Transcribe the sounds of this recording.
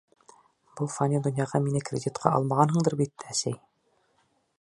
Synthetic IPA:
b̥ulˠfanʲid̪ŏnjɑʁɑminɘkrʲɪd̪ʲit̪qʰɑ̰ʔɑ̰lˠmɑʁɑnɦɤ̆ɴd̪ɤɾbit̪æsæj

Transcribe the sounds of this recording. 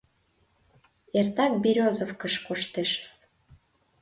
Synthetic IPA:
ert̪ɑk̚biɾʲozofkəʃkoʃt̪eʃə̥s

